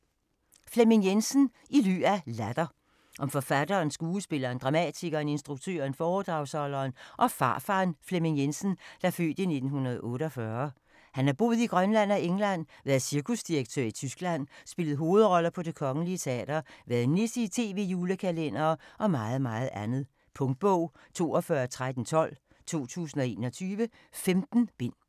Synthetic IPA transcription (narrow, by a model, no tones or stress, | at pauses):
fleminjensn̩ | ily̰ːælæd̥ɐ | ʔɒ̽mfɒ̽fæd̥ɐːnsɡ̥uːəsb̥e̝lɐːnd̥ʁɑ̈mɛ̰t͡sʰiɡ̥ɐːne̝nsd̥ʁuɡ̥̚t͡sʰø̰ːɐnfɒːd̥ʁɑ̈ʊsɒ̽lɐːnʔɒ̽fɑ̈ːfɑ̈ːnfleminjensn̩d̥ɑfø̰ːd̥ine̝d̥n̩hunɐð̩ˠɔ̽ːɾəɒ̽fɶɐ | hænæɐb̥o̝̰ːð̩ˠiɡ̥ʁɶnlæn̰ɒ̽eŋlæn̰ʋæɐðˠsiɐkʰusd̥iɐɡ̥̚t͡sʰø̰ɐ̰it͡sʰysɡ̥læn̰sb̥e̝ləð̩ˠɦo̝ːð̩ˠʁɒ̽lɐpʰɒ̽d̥e̝kʰɒ̽ŋəliət͡sʰeɛ̰ːd̥ɐʋæɐð̩nesit͡sʰe̝̰ːʋe̝juːləkʰælen̰ɐːʔɒ̽mɑ̈ːð̞̩ˠmɑ̈ːð̞̩ˠʔænð̞̩ˠ | pʰɔ̽ŋd̥̚b̥ɔʊ̰ | t͡sʰo̝̰ːɒfɶɐt͡sʰʁad̥n̩t͡sʰɒ̽l̰ | t͡sʰo̝̰ːt͡sʰṵːs̬n̩ɒ̽e̝̰ːnɒ̽t͡sʰyːʋə | femd̥n̩b̥en̰